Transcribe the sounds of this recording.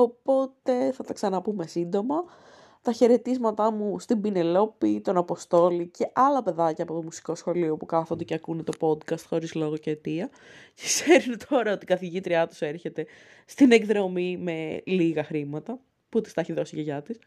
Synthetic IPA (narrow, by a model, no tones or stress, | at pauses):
o̞po̞t̪e̞θɐt̪ɐksɐnɐpume̞sind̪o̞mɐ | t̪ɐçe̞ɾe̞t̪izmɐt̪ɐmust̪ibine̞lo̞pit̪o̞nɐpo̞st̪o̞lice̞ʔɐlɐpe̞ðɐcɐːpo̞t̪o̞musi̥ko̞sxo̞lio̞pukɐθond̪eceɐkunet̪o̞po̞d̪kɐst̪xo̞ɾizlo̞ɣoceːt̪iɐ | ce̥kseɾunt̪ʰo̞ɾɐot̪ikɐθiʝit̪ɾiɐt̪u̥se̞ɾçe̞t̪e̞st̪ine̞ɡðɾo̞mime̞liɣɐxɾimɐt̪ɐ | put̪ist̪ɐeçiðo̞siʝeʝɐt̪is